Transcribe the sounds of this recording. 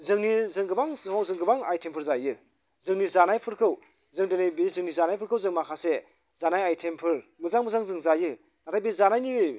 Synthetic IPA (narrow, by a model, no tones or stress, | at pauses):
zɯŋnizɯŋɡɯbaŋwawzɯŋɡɯbaŋajtʰempʰɯɾzajɯ | zɯŋnizanajpʰɯɾkʰɯw | zɯŋdenejbizɯŋnizanajpʰɯɾkʰɯwzɯŋmakʰase | zanajajtʰempʰɯɾmɯzaŋmɯzaŋzɯŋzajɯ | natʰajbizanajniɯj